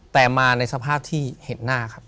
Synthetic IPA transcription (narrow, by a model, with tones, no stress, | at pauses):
t̪ɛː˨˩maː˧na˧jsa˧pʰaː˥˩p̚t̪ʰiː˥˩he˩˦nːaː˥˩kʰa˦˥p̚